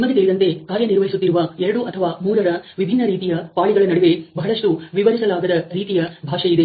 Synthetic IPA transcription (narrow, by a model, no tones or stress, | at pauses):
mːɐd̪it̪ɐɭid̪ɐnt̪e̞kaːɾjɐniɾʋɐɦisut̪ːiɾuʋɐɛɾɐɽuʔɐt̪ʰɐʋaːmuːɾɐɾɐʋibʱinːɐɾiːt̪ijɐpaːɭiɡɐɭɐnɐɽuʋe̞bɐɦɐɭɐʂʈuʋiʋɐɾisɐlaːɡɐd̪ɐɾiːt̪ijɐbʱaːʂɐid̪e̞